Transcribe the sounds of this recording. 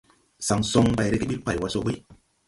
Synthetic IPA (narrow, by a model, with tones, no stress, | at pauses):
sa˨˦ŋso˧ŋba˧jɾe˧ki˦ɓi˦k͡pa˨wa˧so˧˦ɓi˦